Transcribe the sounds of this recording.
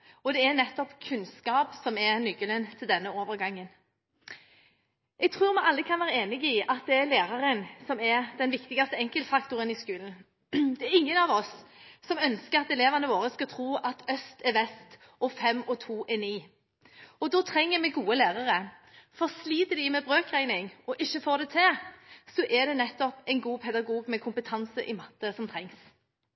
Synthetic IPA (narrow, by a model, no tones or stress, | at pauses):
ɔd̪ɛɛnɛt̪ːɔpkʰʉnskɑːpsɔmɛɾnʏkːələnt̪ʰɪld̪ɛnːəoːʋəʁɡɑŋːən | ʔɛɡ̚t̪ʰʁʉːɾmɛʔɑlːəkʰɑnʋæːʁəeːnɪɡɪɑt̪̚d̪ɛæɾleːʁɑɾənsɔmɛɾd̪ɛnʋɪkt̪ɪɡɑst̪əɛŋkəlt̪fɑkt̪ʊɾənɪskʉːln̩ | d̪ɛæɾɪŋːənɑʋɔsːɔmœnskəʁɑt̪ɛleːʋɑnəʋoːɾəskɑt̪ʰʁuːʔɑt̪ʰœst̪ɛɾʋɛst̪ | ɔfɛmːɔt̪ʰuːʔɛniː | ɔd̪ɔːt̪ʰɾɛŋːəmɛɡuːəlæːʁɑʁəfɔsliːt̪əd̪ɪmɛbʁøːkʁæɪnɪŋɔʔɪçːəfoːʁd̪ɛt̪ʰɛsɔʔɛd̪ɛnɛt̪ːɔpɛɪnɡuːpʰɛd̪ɑɡuːɡmɛkʰʊmpət̪ʰɑnsəʔɪmɑt̪ːəsɔmt̪ʰʁɛŋs